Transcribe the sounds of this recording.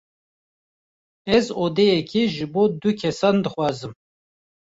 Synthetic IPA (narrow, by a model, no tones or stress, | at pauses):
ɛzoːd̪ejɛkʰiʒɨboːd̪ukʰɛsɑːnd̪ɨxwɑːzɨm